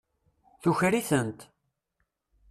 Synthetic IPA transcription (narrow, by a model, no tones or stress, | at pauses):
θuçɾiθənt̪